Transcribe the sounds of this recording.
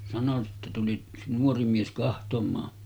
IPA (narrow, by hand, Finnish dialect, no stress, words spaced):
sɑno sitːe tuli yks nuori mies kɑhtomˑɑː